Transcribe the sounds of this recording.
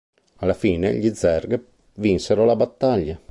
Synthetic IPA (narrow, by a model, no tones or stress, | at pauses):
alafiːnḛʎid̪zɛrɡ | vinseɾolabat̪ːaʎːa